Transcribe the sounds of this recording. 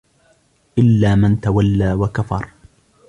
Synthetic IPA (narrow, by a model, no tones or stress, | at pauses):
ʔɪlːaːmɪnt̪awalːaːwakafɑɾˤ